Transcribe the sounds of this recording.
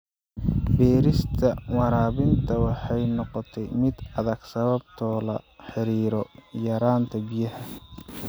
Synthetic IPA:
bɛːɾɪst̪ʰɐwɑɾaːβɪnt̪ʰɐwɑħɑjnɔqɔt̪ʰɛjmɪd̪ɐðɐɡ̥sɐβɐb̚t̪ʰɔːlɐ̰ħɪɾiːɾɔjɐɾaːnt̪ʰɐbijɐhɐ

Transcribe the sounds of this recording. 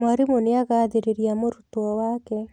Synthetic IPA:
maɾimoneaɣaðeɾeɾjamoɾutwɔwakɛ

